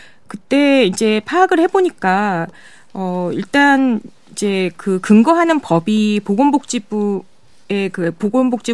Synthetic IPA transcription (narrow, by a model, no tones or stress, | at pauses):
kɯt͈e̞id͡ʑe̞pʰaːɡɯɭhe̞boɲik͈a | ʌḭɭt͈an | id͡ʑe̞kɯkɯŋɡʌɦanɯnpʌbipoɡombok̚t͡ɕ͈ibu | e̞kɯpoɡombok̚t͡ɕ͈i